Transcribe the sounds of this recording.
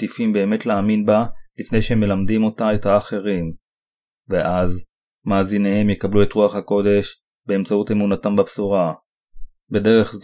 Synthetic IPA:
tifimbe̞ːme̞tlaːminbalifne̞jʃehemːe̞lamdimo̞tae̞thaːχe̞ʁim | veʔaz | maːzine̞he̞mjekablue̞tʁuaχhako̞de̞ʃ | be̞ːmt͡saute̞munatambapsuʁa | be̞de̞ʁeχ

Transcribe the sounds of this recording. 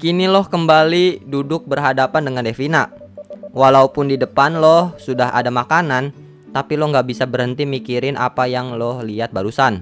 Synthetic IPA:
kinilɔhkəmbalidudʊk̚bərɦadapandəŋandefina | walaupʊndidəpanlɔhsudaɦa̰damakanan | t̪apilɔhŋɡabisabərhənt̪imikiɾɪnʔa̰pajaŋlɔhliat̪̚baɾusan

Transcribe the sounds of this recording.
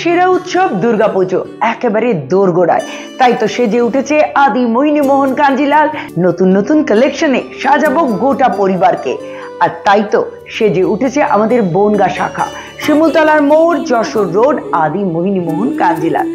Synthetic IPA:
ʃeɾaut̪ʃob̚d̪uɾɡapud͡ʑoɛkebaɾed̪oɾɡoɽa̰e | t̪ajt̪oʃed͡ʑeuʈʰet͡ɕʰeʔad̪imoɦinimoɦonkand͡ʑilalnot̪unːot̪unkəlekʃoneʃad͡ʑabok̚ɡoʈapoɾibaɾkḛ | aɾt̪ajt̪o | ʃed͡ʑeuʈʰet͡ɕʰeʔa̰mad̪eɾbonɡaʃa̰kʰa̰ | ʃimult̪ɔlaɾmoʈd͡ʑɔʃoɾːoɖad̪imoɦinimoɦonkand͡ʑila̰l

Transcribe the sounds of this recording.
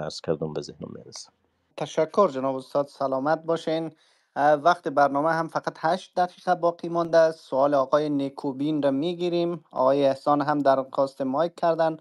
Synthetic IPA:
a̰ɾz̥kʰaɾd̪umbɛzehnɔ̰mːḛɾɛsi̥m | t̪ʰaʃakʰːʊɾd͡ʒɪnɒbʊst̪ɒd̪salɔmat̪̚bɔʃen | vaqt̪ebaɾnɔmaɦamfaqat̪haʃt̪̚d̪aqiqabɒqʰimɒnd̪assʊɒːleɒːqɔjenekʰobinɾamiɡiɾimɒ̰ɣɔːjeːhsɒnɦamd̪aɾxɔst̪emɒjkʰːaɾd̪an

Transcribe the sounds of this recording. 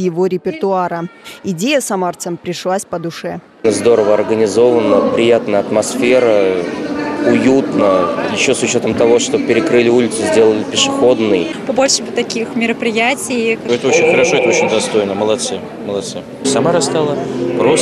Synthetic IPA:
jɪvo̞ɾʲɪpʲɪrt̪ʊaɾəɪdʲejəsɐmart̪səmpɾʲɪʂlˠasʲpəd̪ʊʂɛ | nəzd̪o̞ɾəvəɐrɡənʲɪzo̞vənːəpɾʲɪjat̪nəjəɐt̪mɐsfʲe̞ɾə | ʊjut̪nəjɪɕːosʊt͡ɕo̞t̪əmt̪ɐvo̞ʂt̪opʲɪɾʲɪkɾɨlʲɪulʲɪt̪sɨzʲdʲelˠəlʲɪpʲɪʂɨxo̞d̪nɨjpɐbolʲʂɨbt̪ɐkʲixmʲɪɾəpɾʲɪjatʲɪjɛt̪əot͡ɕɪnʲxəɾɐʂo̞ɛt̪əot͡ɕɪnʲd̪ɐst̪o̞jnəməlˠɐt̪sɨ | məlˠɐt̪sɨ | sɐmaɾɐst̪alˠəpɾos

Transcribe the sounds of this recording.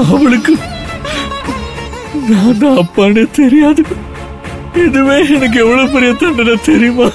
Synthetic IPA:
ɐʋɐɭɯkːɯ | nãːnd̪aɐpːaːnet̪ɛɾɪjaːðɯ | ɛðɯʋeːɛnɐk̬ːɯɛʋːɐɭoːp̬ɛɾɪjɐt̪ɐɳɖɐnɐt̪ɛɾɪjɯmaː

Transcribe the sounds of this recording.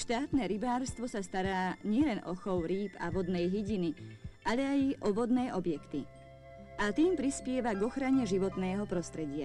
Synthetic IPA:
ʃt̪aːt̪nɛɾibaːɾst̪ʋɔsast̪aɾaːɲɪɛlɛnʔɔxɔʊɾiːpa̰ʋɔd̪nɛjɦiɟiniʔaʎɛajʔɔʋɔd̪nɛːʔɔbjɛkt̪i | at̪iːmpɾispɪɛʋaɡɔxɾaɲɛʒiʋɔt̪nɛːɦɔpɾɔst̪ɾɛɟɪa̰

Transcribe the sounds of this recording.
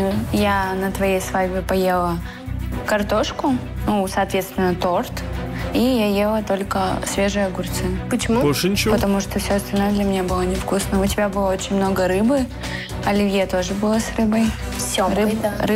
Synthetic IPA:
janət̪vɐjejsvajʲbʲɪpɐje̞lˠə | kɐrt̪o̞ʂkʊ | nusɐt̪vʲet̪st̪vʲɪnːət̪ort̪ | ijajelˠət̪o̞lʲkəsvʲe̞ʐɨjəɡʊrt̪sɨpət͡ɕɪmubolʲʂɨnʲɪpət̪ɐmuʂt̪ofsʲoɐst̪ɐlʲno̞jəd̪lʲɐmʲɪnʲabɨlˠənʲɪfkusnəʊtʲɪbʲabɨlˠəo̞t͡ɕɪnʲmno̞ɡəɾɨbɨ | ɐlʲɪvʲjet̪o̞ʐɨbɨlˠəsrɨbəj | fsʲrɨrɨ

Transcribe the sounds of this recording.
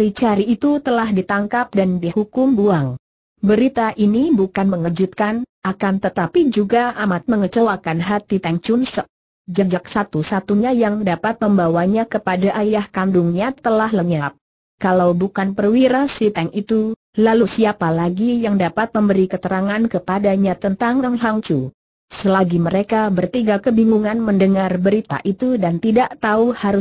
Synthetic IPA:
ɾit͡ʃaɾiːt̪ut̪əlahdit̪aŋkap̚dandihukʊmbuaŋ | bəɾit̪aʔinibukanməŋəd͡ʒut̪̚kanʔakant̪ət̪apid͡ʒuɡaʔamat̪̚məŋət͡ʃəwakanɦat̪it̪ɛŋt͡ʃunsək̚ | d͡ʒad͡ʒak̚sat̪usat̪uɲajaŋdapat̪̚məmbawaɲakəpadaʔajahkanduŋɲat̪əlahləɲap̚ | kalawbukanpərwiɾasit̪ɛŋit̪u | lalusiapalaɡijaŋdapat̪̚məmbəɾikət̪əɾaŋankəpadaɲat̪ənt̪aŋaŋlaŋt͡ʃu | səlaɡiməɾekabərt̪iɡakəbiŋuŋanməndəŋarbəɾit̪a̰ʔit̪udant̪idaʔt̪auhaɾu

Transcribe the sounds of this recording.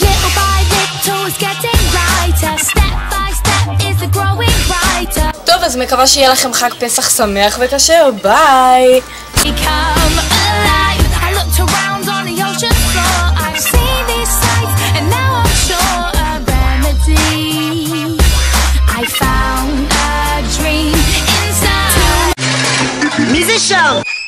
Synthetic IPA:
lɪɾəbaɪðɪstʰɔzɡɛtɪ̃ŋɹaɪtəstɛp̚b̥aɪstɛp̚ɪzəɡɹoʊɪ̃ŋɹaɪtə˞tovazmekavaʃɛjelaχemχakpesaχsameaχvɛkaʃɛobaj | b̥ɨkʰʌ̃məlaɪfaɪlʊk̚tʰə˞ãʊ̃ndn̩ðioʊʃə̃nflɔɹaɪv̥sĩði̥saɪtɨ̃nːaʊãɪ̃mʃɔ | ə | ɹɛmɨdi | ʔaɪfãʊ̃nddədɹĩmɪ̃nsa | mizɨʃoʊ

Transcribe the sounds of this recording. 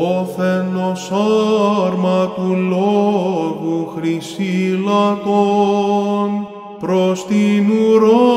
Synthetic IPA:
oθenosɐɾmɐkuloɣuxɾisilɐko | n | pɾost̪inuɾo

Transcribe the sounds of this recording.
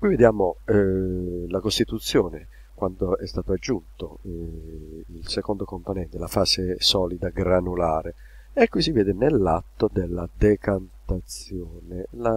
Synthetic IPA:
kwived̪jaːmo | lakost̪it̪ut̪sːjɔːne | kwand̪oɛst̪aːt̪oad͡ʒːunt̪o | ilsekond̪okomponɛnt̪elafaːsesɔːlid̪aɡɾanulaːɾe | ɛkːwisivɛːd̪ɪnelːat̪ːod̪elːad̪ɛkant̪at̪sjɔːnela

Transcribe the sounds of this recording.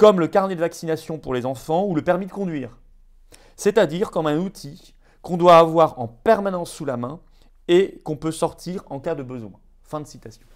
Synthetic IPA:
kɔmləkaʁned̪əvaksinasjɔ̃puʁlezɑ̃fɑ̃uləpɛʁmid̪əkɔ̃d̪ɥiːʁ | sɛt̪ad̪iʁkɔmɛ̃nut̪ʰi | kɔ̃d̪waːvwaʁɑ̃pɛʁmanɑ̃sːulamɛ̃ | ekɔ̃pøsɔʁt̪iʁɑ̃kad̪əbəzwɛ̰̃ | fɛ̃d̪əsit̪asjɔ̃

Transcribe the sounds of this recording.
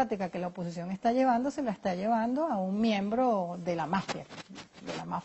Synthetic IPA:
at̪ikake̞laopo̞sisjo̞ŋe̞st̪aʝe̞βand̪ose̞laest̪aʝe̞βand̪oauŋmjẽ̞mbɾo̞ðe̞lamafja̰d̪elama

